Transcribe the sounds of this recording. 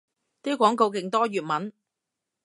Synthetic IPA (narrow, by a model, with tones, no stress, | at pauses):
t̪i˥kʷɔː˨˥ŋko˧wk̬ɪ˨ŋt̪ɔː˥jyː˨t̚mɐ˨˥n